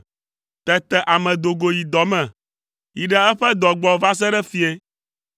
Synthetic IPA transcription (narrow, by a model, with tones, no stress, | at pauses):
t̪ɛ˦t̪ɛ˨ʔa˨mɛ̃˨d̪o˨ɡo˨ji˨d̪ɔ˨mɛ̃˨ | ji˨ɖɛ˦ɛ˦ɸɛ˦d̪ɔ˨ɡ͡bɔ˨va˦s̬ɛ˦ɖɛ˦fi˦e˦